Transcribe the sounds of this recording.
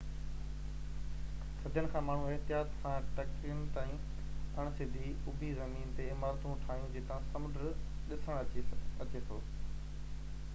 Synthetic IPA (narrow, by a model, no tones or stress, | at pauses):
sɐd̪ʱjənɪ̆kʰãːmaːɳ̤ũeɦt̪ɪjaːt̪sãʈɐkɾiən̆t̪aːĩ | ɐɽ̃sɪd̪ʱiʊbʱizɐmiːnt̪eɪmaːɾt̪ũʈʰaːɦjũd͡ʑeːt̪ãsɐmʊɖə | ɗɪsəɽ̃ɐt͡ɕeːt̪ʰoː